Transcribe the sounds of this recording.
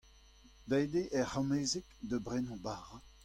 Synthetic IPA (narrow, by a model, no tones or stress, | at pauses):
d̪ajd̪eʔɛhɔmeːzɛkd̪əbʁɛnɔ̃baːʁa